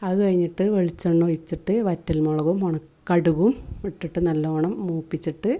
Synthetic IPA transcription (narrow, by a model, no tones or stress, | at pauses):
ɐðɨkɐɻiɲːiʈːɨʋeɭit͡ɕːɐɳːujit͡ɕːiʈːɨʋɐtːɐlmoɭɐɣumoɳɐkː | ɐɽuɣumʋiʈːiʈːɨnɐlːɐoɳɐmːuːpːit͡ɕːiʈːɨ